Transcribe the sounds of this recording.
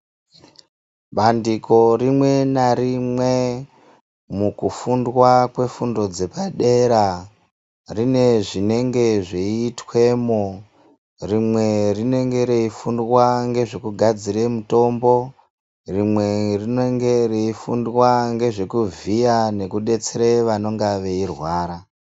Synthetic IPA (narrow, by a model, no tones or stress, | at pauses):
ɓandiko̞rimwe̞naɾimwe̞ | mukufundwakwe̞fundo̞d͡ze̞paɗe̞ɾa | rine̞ʐine̞ŋɡe̞ʐeːtwe̞mo | rimwe̞rine̞ŋɡe̞ɾeifundwaŋɡe̞ʐekuɡʱad͡zire̞muto̞mbo̞ | rimwe̞rineŋɡe̞reifundwaŋɡe̞ʐe̞kuviane̞kuɗe̞t͡seɾeʋano̞ŋɡaʋe̞irwaːɾa